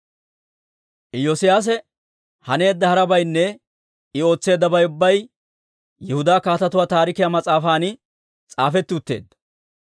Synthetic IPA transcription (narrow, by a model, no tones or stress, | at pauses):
ʔɪjɔsɪjaːs̬ɛ | hɐne̞ːd̪ːɐhɐɾɐbɐjnːɛ | ɪo̞ːt͡sːe̞ːd̪ːɐbɐjʊbːɐj | jɛhʊd̪aːkaːt̪ɐt̪ʊwaːt̪aːɾɪkɪjaːmɐt͡sʼaːfaːnɪ | t͡sʼaːfɛt̪ːɪʊt̪ːe̞̰ːd̪ːɐ̥